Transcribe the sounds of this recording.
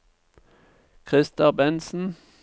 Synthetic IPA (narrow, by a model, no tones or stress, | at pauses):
kʰʁɪst̪ɑbɛnsn̩